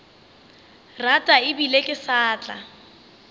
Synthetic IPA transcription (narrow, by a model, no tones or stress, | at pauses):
ratʼaɪbilekʼɪsaːt͡ɬʼa̰